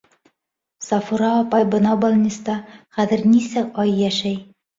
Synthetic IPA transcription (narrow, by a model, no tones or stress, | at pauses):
sɑfuɾɑːpɑjbɤ̆nɑbɒlˠnʲist̪ɑχæðɘ̆ɾnisɘʔɒjːæʃæj